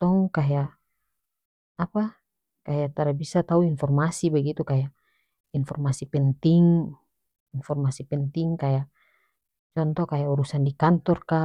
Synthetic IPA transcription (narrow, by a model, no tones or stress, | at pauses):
t̪ɔŋkaja | pa | kajat̪aɾabisat̪auinfɔrmasibaɡit̪ukaja | infɔrmasipɛnt̪iŋ | infɔrmasipɛnt̪iŋkaja | t͡ʃɔnt̪ɔkajauɾusandikant̪ɔrka